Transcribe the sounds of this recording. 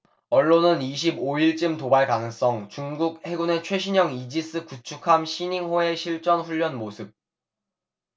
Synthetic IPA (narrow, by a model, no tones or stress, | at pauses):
ʌɭːonɯniɕ̬ʰiboiɭt͡ɕ͈ɯmtobaɭkanɯŋs͈ʌŋt͡ɕuŋɡuk̚he̞ɡunet͡ɕʰwe̞ɕ̬ʰiɲʌŋid͡ʑis͈ɯkut͡ɕʰukʰamɕʰiɲiŋɦoe̞ɕʰiɭt͡ɕ͈ʌnɸuʎːʌnmosʰɯp̚